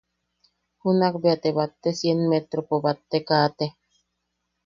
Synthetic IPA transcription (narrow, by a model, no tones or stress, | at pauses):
hunakbeat̪eβat̪ːesjenmet̪ɾopobat̪ːekaːt̪e